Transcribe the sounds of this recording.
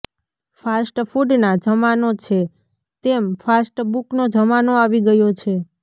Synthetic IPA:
fasʈfuɖnad͡ʒəmanot͡ʃʰe | t̪emfasʈbuknod͡ʒəmanoaʋiɡəjot͡ʃʰe

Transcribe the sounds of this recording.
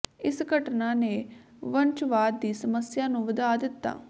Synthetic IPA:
ɪsɡəʈnaːneː | ʋənt͡ʃʋaːd̪ːiːsəməsjaːnũːʋəd̪aːd̪ɪt̪ːa̰ː

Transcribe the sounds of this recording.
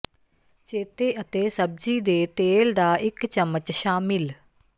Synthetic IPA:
t͡ʃeːt̪eːʔət̪eːsəb̚d͡ʒiːd̪eːt̪eːld̪aːʔɪkt͡ʃəmət͡ʃʃaːmɪl

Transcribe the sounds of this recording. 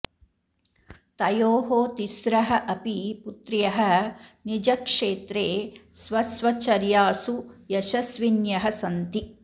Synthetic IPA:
t̪ɐjoːɦoːt̪isɾɐɦɐʔɐpiput̪ɾjɐɦɐnid͡ʒɐkʂeːt̪ɾeːsʋɐsʋɐt͡ʃɐɾjaːsujɐʃɐsʋinjɐɦɐsɐnt̪i

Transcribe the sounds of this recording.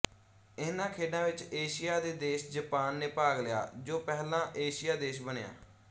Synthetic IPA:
ɪnãːkʰeːɖãːʋɪt͡ʃeːʃɪjaːd̪eːd̪eːʃd͡ʒəpaːnːeːpaːɡlɪja̰ːd͡ʒoːpɛːlãːʔeːʃɪjaːd̪eːʃbəɳja̰ː

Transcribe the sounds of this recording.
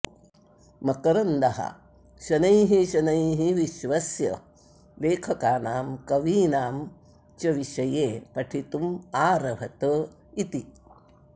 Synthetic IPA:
mɐkɐɾɐnd̪ɐɦɐ̰ | ʃɐnɐjɦiʃɐnɐjɦiʋiʃʋɐsjɐ̰ | leːkʰɐkaːnaːmkɐʋiːnaːm | t͡ʃɐʋiʃɐjeːpɐʈʰit̪umaːɾɐʋʱɐt̪ə | it̪i

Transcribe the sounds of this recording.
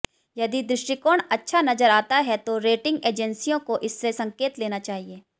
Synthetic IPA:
jɐd̪id̪ɾɪʃʈɪkoːɳɐtːʃʰanɐzəɾaːt̪aɦɛt̪oɾeːʈɪ̃ŋɡeːd͡ʒɛnsijõkoʔɪsːesɐ̃ŋkeːt̪leːnat͡ʃaːɦieː

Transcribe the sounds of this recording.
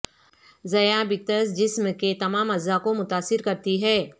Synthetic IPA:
zɐjabɪk̚t̪əsd͡ʒɪsmket̪ɐmaːmɐzːakomʊt̪aːsːɪɾkɐɾt̪iɦɛː

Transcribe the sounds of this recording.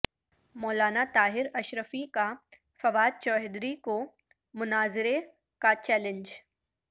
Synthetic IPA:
mɔːlaːnat̪aːɦɪɾɐʃɾəfika | fɐʋaːd̪̚t͡ʃɔːɦɪd̪ɾiko | mʊnaːzɪɾe | kat͡ʃɛːlɪ̃ɲd͡ʒ

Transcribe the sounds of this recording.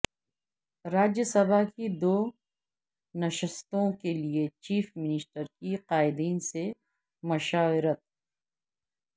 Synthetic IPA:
ɾaːd͡ʒjəsɐbʱakid̪oː | nɐʃɪst̪õkeliet͡ʃiːfmɪnɪsʈəɾkiqaːɪd̪iːnse | mɐʃaːʋɪɾət̪̚

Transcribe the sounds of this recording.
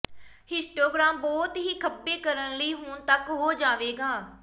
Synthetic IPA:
hɪsʈoːɡɾãːmbɔːt̪ɦiːkʰəpːeːkəɾənləiːɦʊɳt̪əkɦoːd͡ʒaːʋeːɡaː

